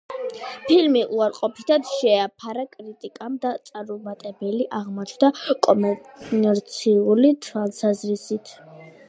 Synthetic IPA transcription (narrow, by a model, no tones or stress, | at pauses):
pʰilmiʔuaɾqʼɔpʰit̪ʰad̪ʃɛapʰaɾakʼɾit̪ʼikʼamd̪at̪sʼaɾɔmat̪ʼɛbɛliʔaʁmɔt͡ʃʰwd̪akʼɔmɛɾt̪sʰiulit̪ʰwalˠsazɾisit̪ʰ